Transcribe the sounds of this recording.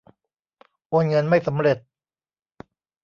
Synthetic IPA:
ʔoː˧nŋɤ˧nma˥˩jsa˩˦mɾe˨˩t̪̚

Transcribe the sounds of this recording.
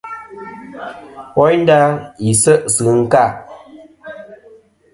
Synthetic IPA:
wɔ˦jn˦da˦i˨sə˦ʔsɨ˨˦ŋ̩˦ka˦˨

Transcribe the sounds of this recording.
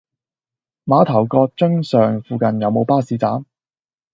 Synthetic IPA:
maː˨˧t̪ʰɐ˨˩wkɔː˧k̚t͡ʃɵ˥ŋsœː˨ŋfuː˨˧kɐ˨njɐ˨˧wmo˨˧wpaː˥siː˨˧t͡sa̰ː˨˥m

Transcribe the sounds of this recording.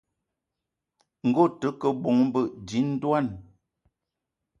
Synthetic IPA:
ŋ̩˨ɡo˦˨tə˨˦kə˨bo˨ŋm˦bə˦˨di˨˦n̩˦dwa˦˨n

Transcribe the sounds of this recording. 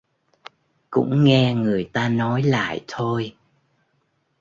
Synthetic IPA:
kʊ̰˧˥ŋ͡mŋɛ˧ŋɨ˨˩əjt̪aː˧nɔ˨˦jla̰ː˧˨jt̪ʰo˧j

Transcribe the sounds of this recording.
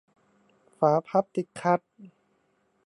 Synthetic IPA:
faː˩˦pʰa˧˥p̚t̪i˨˩t̪̚kʰːa˧˥t̪̚

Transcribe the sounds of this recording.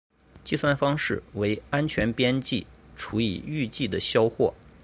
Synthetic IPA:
t͡ɕi˥˧swa˥˧nfɑ˥ŋʂɻ̩˥˩we˧˥ɪa˥nt͡ɕʰɥɛ˧˥npjɛ˥nt͡ɕi˥˩ʈ͡ʂʰu˧˥ḭ˨˩y˥˧t͡ɕi˥˩d̪ə˩ɕjɑ˥ʊxwɔ̰˥˩

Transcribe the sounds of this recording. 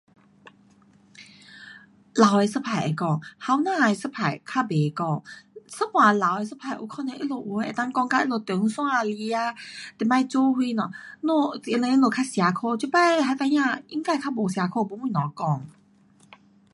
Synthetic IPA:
la˨we˧sə˦˥pʰa˨ḛ˨kɔ˥˩˨ŋha˧˦wnãː˥˧e˨sə˦˥pʰa˨˩jkʰa˦˥be˨kɔ˥˧˨ŋsə˦˥pwã˨˩la˨we˧s̬ə˦˥pʰa˨˩jʔṵ˧˦kʰɔ˧nẽ˧˨ʔi˦˥lo˧˩ʔu˧˨˩e˨˩t̪ã˧ŋkɔ˧ŋka˧˦ʔi˦˥lo˧˩t̪u˨˦ŋsɔ̃˥˦ŋa˧li˧˦a˧t̪e˨˩mã˧jt͡so˦hwi˧nɔ̃˨˩no˧˩i˧nẽ˧˦i˦lo˨˩kʰa˥sja˨˧kʰo˥˧˨t͡ɕi˧˦pa˥˨jɦa˧˦t̪a˧jã˧˨i˧˦ŋka˥˧˨kʰa˥bo˨˩sja˨˧kʰo˧bo˧˦mũ˧˨nɔ̃˨kɔ˧˩˨ŋ

